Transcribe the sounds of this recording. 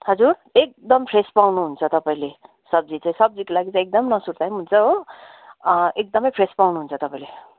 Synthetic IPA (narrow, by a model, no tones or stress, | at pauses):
hʌd͡zurek̚d̪ʌmpʰɾespawnuɦunt͡sʰʌt̪ʌpaĩle | sʌb̚d͡zit͡sãĩsʌb̚d͡zikolaɡit͡sãĩek̚d̪ʌmnʌsuɾt̪ajmɦunt͡sʰʌɦo | ek̚d̪ʌmʌjpʰɾespawnuɦunt͡sʰʌt̪ʌpaĩle